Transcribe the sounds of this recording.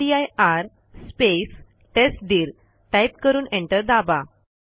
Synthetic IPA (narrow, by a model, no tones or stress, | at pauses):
iajaɾ | spes | ʈesʈ̚ɖiːɾ | ʈajpkəɾuːnẽɳʈəɾd̪aba